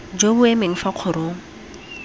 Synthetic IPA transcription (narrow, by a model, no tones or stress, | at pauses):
d͡ʒobʊɛmeŋ̩faq͡χʰʊɾoːŋ̩